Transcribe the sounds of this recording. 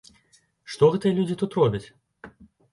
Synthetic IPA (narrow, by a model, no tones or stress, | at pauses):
ʂt̪ɔɣɛt̪ɨjɐlʲud͡zʲit̪ut̪rɔbʲɐt͡sʲ